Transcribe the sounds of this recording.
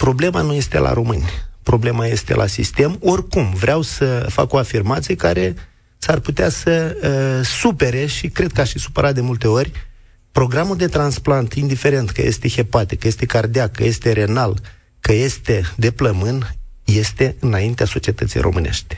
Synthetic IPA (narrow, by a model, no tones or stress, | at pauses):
pɾo̞ble̞manuje̞st̪e̞̰lʔa̰ɾo̞mɨnʲpɾo̞ble̞maje̞st̪e̞̰lʔa̰sḭst̪e̞mo̞rkumvɾeawsəfa̰ko̞afirmat̪sijeka̰ɾe̞ | sarput̪easə | supe̞ɾe̞ʃikɾe̞d̪̚kəaʃisu̥pəɾat̪̚d̪emult̪e̞o̞rʲ | pɾo̞ɡɾamuld̪e̞t̪ɾansplant̪ind̪ife̞ɾe̞nt̪kə̰je̞̰st̪e̞xepat̪ikəje̞st̪e̞kard̪iakːəje̞st̪e̞ɾe̞nal | kəje̞st̪e̞d̪e̞pləmɨn | je̞st̪e̞ɨnaint̪easo̞t͡ʃie̞t̪ət̪sḭjɾo̞̰mɨne̞̰ʃt̪e̥